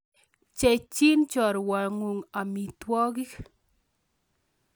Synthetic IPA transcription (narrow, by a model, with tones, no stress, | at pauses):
t͡ʃɛt͡ʃi˦nt͡ʃɔ˨ɾwa˨ŋu˨ŋa˨mi˨t̪wɔ˦ɣi˦k